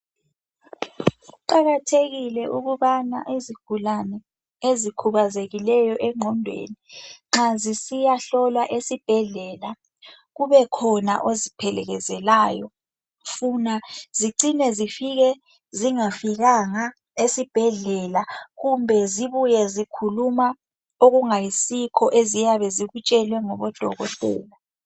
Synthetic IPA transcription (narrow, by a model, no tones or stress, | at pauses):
uǃaɣatʰeɣilɛʔuɣuβana̰ʔiziɡ̥ʱulanɛ | ezikʰuβazeɣilɛjɔʔɛŋ͡ǃʱɔndʱwḛːniŋ͡ǁazisijaɬɔlwaʔesib̥ʱɛɮɛla | ɣuβɛkʰɔna̰ʔozipʰɛlɛɣɛzɛlaːjɔ | funaziǀinɛzifiɣɛ | ziŋafiɣaŋa | esib̥ʱɛɮɛlaɣumbʱɛziβujɛzikʰuluma | oɣuŋajisikʰɔʔezijaβɛziɣut͡ʃʼɛlwɛŋɔβɔd̥ʱɔɣɔtʼɛ̰ːla